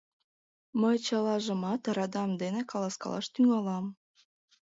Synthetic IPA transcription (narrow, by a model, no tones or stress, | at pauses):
məjt͡ɕɑlɑʒə̆mɑt̪ɾɑd̪ɑmd̪enekɑlˠɑskɑ̰lˠɑ̰ʃt̪yŋɑlɑm